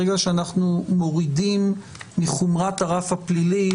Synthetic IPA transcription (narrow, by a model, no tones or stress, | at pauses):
eɡaʃeanaχnumo̞ʁidimː | iχumʁataʁafhaplili